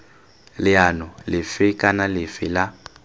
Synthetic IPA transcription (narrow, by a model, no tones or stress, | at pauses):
lɪanɔlɪfɪkʼanalɪfɪla